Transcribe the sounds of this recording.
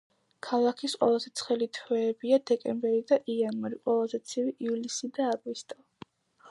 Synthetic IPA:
kʰalˠakʰisqʼwɛ̰lˠazɛt̪sʰχɛlit̪ʰwɛːbiad̪ɛkʼɛmbɛɾid̪aʔianwaɾiqʼwɛlˠazɛt̪sʰiviʔivlisid̪aːɡvist̪ʼa

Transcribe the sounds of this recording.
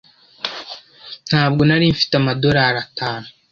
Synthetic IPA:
n̥haːbɡo̞naɾiɱfi̥tamado̞ɾaɾataːnu

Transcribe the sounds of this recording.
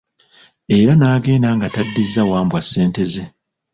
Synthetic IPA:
e̞ɾanaːɡe̞ːnaːŋɡatadːizːawaːmbwasːe̞ːnte̞ze

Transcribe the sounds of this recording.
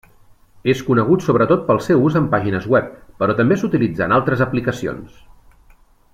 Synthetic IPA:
eskunəɣ̞ut̪soβɾət̪ot̪̚pəlˠsɛwuzəmpaʒinəzɣwɛp̚ːəɾɔt̪əmbesut̪ilid͡zanalˠt̪ɾəzəplikəsio̰ns

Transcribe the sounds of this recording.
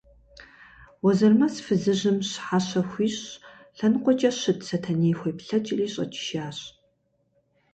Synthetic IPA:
wɔzɐrmɐsfɨzɨʑɨmɕħaɕɐxʷiːɕ | ɬɐnɨqʷɔt͡ʃʼɐɕɨtʰsɐtʰɐneːxʷejpɬɐt͡ʃʼɪriːɕʼɐ̰t͡ʃʰʼɪ̥ʃaːɕʼ

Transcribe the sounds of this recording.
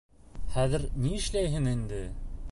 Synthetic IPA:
χæðɘ̆ɾniɘ̆ʃlæjɦɘŋind̪ɘ

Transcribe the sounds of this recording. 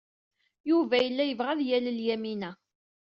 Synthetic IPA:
juvæjəlːæjəvʁæðjæləljæminæ

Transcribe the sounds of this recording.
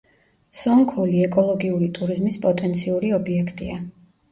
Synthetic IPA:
sɔŋkʰɔliɛkʼɔlˠɔɡiuɾit̪ʼuɾizmispʼɔt̪ʼɛnt̪sʰiuɾiɔbiɛkʰt̪ʼia

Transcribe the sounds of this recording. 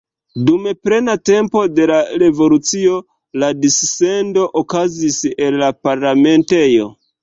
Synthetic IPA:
dumepɾe̞nate̞mpo̞de̞laɾe̞vo̞lut͡sio̞ | ladisːe̞ndo̞ʔokaziselːapaɾlame̞nte̞jo̞̰

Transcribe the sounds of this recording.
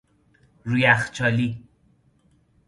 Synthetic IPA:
ɾujæxt͡ʃʰɒːli

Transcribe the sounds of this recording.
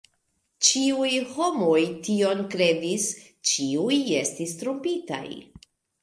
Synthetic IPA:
t͡ʃiujho̞mo̞jtio̞nkɾe̞dis | t͡ʃiuje̞stistɾompita̰j

